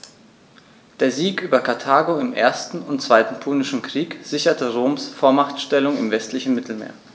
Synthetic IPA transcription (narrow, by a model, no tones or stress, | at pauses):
d̥eːɐziːkʔyːbɐkʰaɐtʰaːɡoɪmʔḛːɐstn̩ʊntt͡sv̥aɪtn̩pʰʊlnɪʃn̩kʁ̥iːkz̥ɪçɐtəʁoːmsfoːɐmaχtʃtɛlʊŋɪmvɛstlɪçn̩mɪtʰl̩mḛːɐ